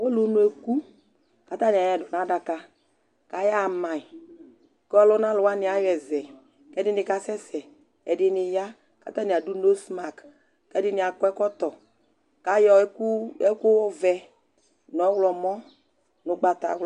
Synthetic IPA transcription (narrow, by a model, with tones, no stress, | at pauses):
wo˦lo˦nu˨˦e˨ku˦ | ka˦t̪a˦nɪ˨a˨jɛ˨dɔ˨na˦da˨ka˨ | ka˨ja˦˨mã˨i˨ | kɔ˦lɔ˦nã˦lʊ˨wa˦nɪ˨a˦jɛ˨zɛ˨ | kɛ˦dɪ˦nɪ˨ka˨sɛ˦sɛ˨ | ɛ˨dɪ˨˦nɪ˨ja˦ | ka̰˨˦t̪a˦ni˨a˨du˦no˦sma˨k | kɛ˦dɪ˦nɪ˨a˨kɔ˦ɛ˦kɔ˦t̪ɔ˨ | ka˨˦jɔ˨˦u˦ɛ˦kʊ˦ɔ˦vɛ˨ | n˨ɔ˨˦wlɔ˨mɔ˦ | nʊ˨˦ɡ͡ba˨t̪a̰˨˦w